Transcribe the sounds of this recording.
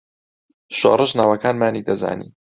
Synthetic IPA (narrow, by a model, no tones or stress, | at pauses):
ʃo̰rˤɨʃnaːwɐkaːnmaːniːd̪ɐza̰ːnḭː